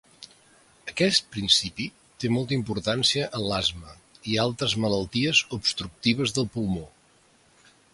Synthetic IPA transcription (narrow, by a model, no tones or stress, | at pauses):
əkɛst̪̚pɾinsipi | t̪emɔlˠt̪əimpuɾt̪ansiəʔəlazmə | ialˠt̪ɾəzmələlˠt̪iəzubst̪ɾuk̚t̪iβ̞əzðəlˠpulˠmo